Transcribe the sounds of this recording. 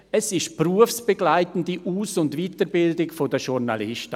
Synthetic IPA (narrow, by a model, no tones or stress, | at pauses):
ɛsɪʃpruəfsb̥əɡlaɪtn̩diʔuːsʊndviːtəɾbɪldɪkfodəʃʊɾnalɪʃtə